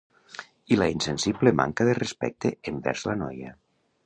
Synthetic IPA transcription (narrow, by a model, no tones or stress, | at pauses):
ilainsensiblema̰ŋkaðerespɛ̰k̚t̪eembɛ̰ɾzlanɔja̰